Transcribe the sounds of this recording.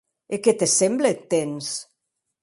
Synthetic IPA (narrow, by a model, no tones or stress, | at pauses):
eket̪esemblet̪ːens